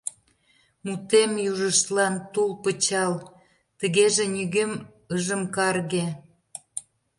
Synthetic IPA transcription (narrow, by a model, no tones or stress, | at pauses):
mut̪emjuʒəʃt̪lɑnt̪ulpət͡ɕɑl | t̪ə̆ɣeʒenʲyɣem | əʒəmkɑrɣe